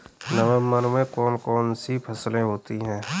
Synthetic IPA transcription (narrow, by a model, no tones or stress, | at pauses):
nəʋəmːənmẽkɔːnkɔːnsipʰɐslẽɦoːt̪iɦɛ̃ː